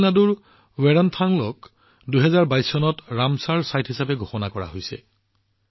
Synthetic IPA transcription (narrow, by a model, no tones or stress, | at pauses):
naduɹ | wɛɹɔntʰaŋlɔk | dujɦɛzaɹbajsːɔnɔtɹamsaɹsajtɦisapɛɡʱoxɔnakɔɹa̰ɦojsɛ̰